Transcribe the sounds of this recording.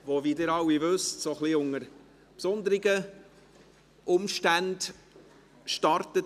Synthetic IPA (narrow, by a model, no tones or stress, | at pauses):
ʋovidɪːɾɑwivɵstsoχliʊŋəɾ | psʊnd̪əɾɪɡə | ʔʊmʃtænd̥ | ʃtɑɾtət